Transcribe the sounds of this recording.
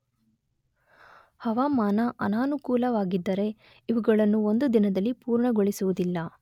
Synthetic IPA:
hɐʋaːmaːnɐʔɐ̰naːnukuːlɐʋaːɡid̪ːɐɾe̞ | iʋuɡɐɭɐnːuo̞nd̪ud̪inɐd̪ɐlːipuːɾɳɐɡoɭisuʋud̪ilːɐ

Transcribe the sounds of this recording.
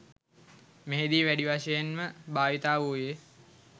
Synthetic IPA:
meɦed̪iːʋæɖiʋaʃəjenməbaːʋit̪aːʋuːje

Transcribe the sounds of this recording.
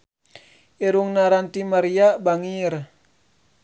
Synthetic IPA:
iɾuŋnaɾant̪imaɾiabaŋir

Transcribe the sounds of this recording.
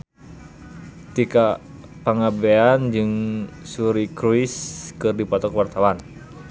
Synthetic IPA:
t̪ika | paŋabeand͡ʒɨŋsuɾikɾuiskɨrdipɔt̪ɔkwart̪awan

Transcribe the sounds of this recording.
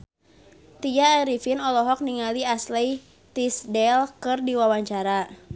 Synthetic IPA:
t̪ijaːɾifinɔlɔɦɔk̚niŋaliaslɛj | t̪isdɛlkɨrdiwawaɲt͡ʃaɾa

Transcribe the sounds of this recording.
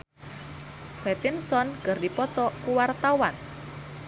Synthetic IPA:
fɛt̪insɔnkərdipɔt̪ɔkuwart̪awan

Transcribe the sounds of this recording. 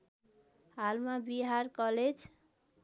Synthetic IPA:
ɦalmabiɦaɾkʌled͡z

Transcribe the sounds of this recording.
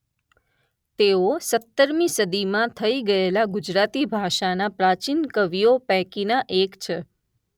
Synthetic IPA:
t̪eosət̪ːəɾmisəd̪imãt̪ʰəiɡəelaɡʊd͡ʒɾat̪ibʱaʃanapɾat͡ʃinkəʋijopɛ̃ɦkinaʔekt͡ʃʰe

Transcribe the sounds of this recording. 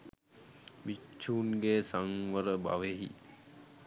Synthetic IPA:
ʋit͡ʃʰːuːnɡeːsaŋʋəɾəba̰ʋeɦḭ

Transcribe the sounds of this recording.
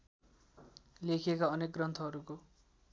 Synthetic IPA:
lekʰiekaʌnek̚ɡrʌnt̪ʰʌɦʌɾuko

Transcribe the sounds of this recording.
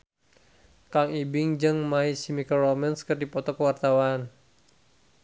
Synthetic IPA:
kaŋibɪŋd͡ʒɨŋmaisimikərɔmɛnskərdipɔt̪ɔkəwart̪awan

